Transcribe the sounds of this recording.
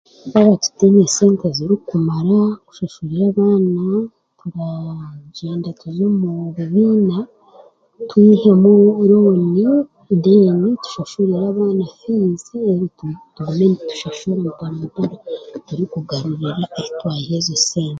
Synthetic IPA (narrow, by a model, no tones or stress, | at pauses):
aβatu̥tenese̞ːnteziɾikumaɾaku̥ʃaʃuɾiɾaːβaːna | tuɾaɟeːndatuzomuβiβiːna | twiːhe̞muɾoːni | dinitu̥ʃaʃuɾiɾaːβaːnafiːnzieɾitutuumenitu̥ʃaʃumutaːmudoɾatuɾikuɡaɾuɾiɾaezitwaːjihezeseːnte